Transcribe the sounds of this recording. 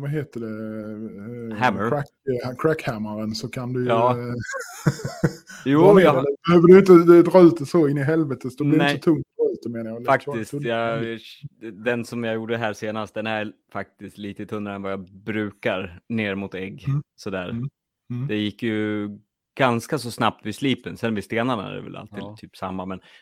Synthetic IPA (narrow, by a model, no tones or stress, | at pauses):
vaɦeːt̪əɖɛ | hæməɾæ | kʰɾækhæmaɾənsɔkʰand̪ɵɑː | juːɛbɛhøːvəɖʉjɪnt̪əd̪ɾɑːʉ̟ːt̪ɛsɔɪnːɪɦɛlvɛt̪ət̪sd̪ɛɪɾɪɛsɔt̪ʰɵŋt̪d̪ɾɑʉ̟ːt̪d̪ɛmeːnajalfakt̪ɪst̪jɑ | d̪ɛnsɔmjɑjuːɖəɦæːseːnast̪̚d̪ɛnæɾfak̚t̪ɪst̪liːt̪ət̪ʰɵnːɾaɾɛnvajɑbɾʉ̟ːkaɾneːɾmʊt̪ɛɡːsɔd̪æːɾ | d̪ɛjɪkːjɵ | ɡ̥anskasɔsnap̚t̪vɪsliːpənsɛnvɪst̪eːnanaæ̰ɖɛ̰vɛ̰lʔa̰lt̪ʰɪːd̪t̪ʰyːpsamːamɛn